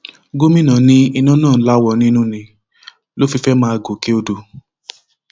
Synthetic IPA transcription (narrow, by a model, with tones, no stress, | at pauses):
ɡo˦mĩ˦nã˨nĩ˦i˧nã˦nãː˦˨˦la˦wɔ˧˨nĩ˦nũ˦nĩ˧ | lo˦fi˧fɛ˦mãː˦a˧ɡo˨ke˦o˧do˧˨